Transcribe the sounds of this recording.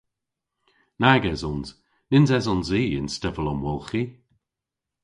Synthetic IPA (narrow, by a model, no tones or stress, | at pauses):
naɡɛzɔnz | nɪnzɛzɔnziːɪ̰nstɛvəlɔmwɔlˠxi